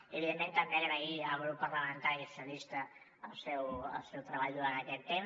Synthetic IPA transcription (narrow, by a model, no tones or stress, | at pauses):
eβiðemmẽnt̪ambeeɾaiəɣɾupəɾləmə̃nt̪aɾiesolist̪ə | əlˠsɛwə̰lˠsɛwt̪ɾɐβaʎðuɾand̪əkɛt̪ːem